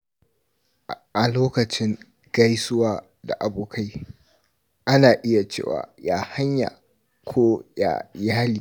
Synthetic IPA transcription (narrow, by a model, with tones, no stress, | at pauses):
ʔa˨loː˦kɐ˨t͡ʃɪ˦ŋ | ɡ̥ɐ˦jsʊ˦waː˨ | da̰˨ʔa˨boː˨kʰa˦j | ʔa˦naː˨ʔɪ˦ja˨t͡ʃḛː˦˨wa̰ː˨jaː˦ha˦ɲja̰˨ | kʷʰoː˦ja̰˨jaː˦liː˨